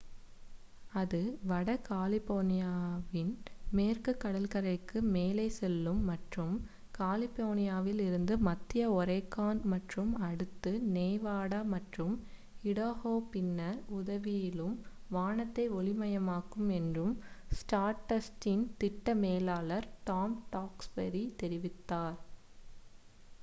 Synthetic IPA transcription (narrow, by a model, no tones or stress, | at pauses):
ɐðɯʋɐɽɐkaːlɪpoːɾnɪjaːʋɪnmeːrkɯkːɐɽɐlkɐɾɐɪkːɯmeːlɐɪsɛlːɯmːɐʈrɯm | kaːlɪpoːɾnɪjaːʋɪlɪɾɯnd̪ɯmɐt̪ːɪjɐɔɾɐɪkːaːnmɐʈrɯmɐɽɯt̪ːɯneːʋaːɽaːmɐʈrɯm | ɪɽɐhoːpɪnːɐʊðɐʋɪjɪlɯm | ʋaːɳɐt̪ːɐɪɔɭɪmɐjɐmaːkːɯmɛndrɯmsʈaːɾʈɐsʈɪnt̪ɪʈːɐmeːlaːlɐɾʈaːmʈaːkspɐɾit̪ɛɾɪʋɪt̪ːaːɾ